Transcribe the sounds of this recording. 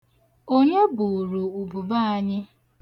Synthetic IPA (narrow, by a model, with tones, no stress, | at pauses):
o˦ɲe˦bu˨ɾu˨u˨bu˨ba˦a˦ɲɪ˦